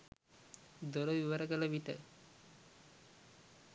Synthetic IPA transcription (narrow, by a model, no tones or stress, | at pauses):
d̪oɾəʋiʋəɾəɡələʋiʈə